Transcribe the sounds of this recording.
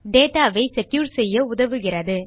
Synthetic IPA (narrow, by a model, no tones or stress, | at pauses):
ɖeːʈaːʋɐɪsɛkjuːɾsɛjːɐʊðɐʋɯɣɪrɐðɯ